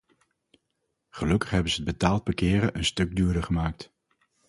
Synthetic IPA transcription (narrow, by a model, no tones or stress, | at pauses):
χəlɵkəχɦɛbənzəəd̚bətaːlˠd̚bəkɪːɾəʔənstɵɡ̚dyːɹdəɹχəmaːk̚t